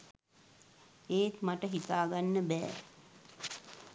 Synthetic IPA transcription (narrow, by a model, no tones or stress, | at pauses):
eːt̪maʈəɦit̪aːɡanːəbɛː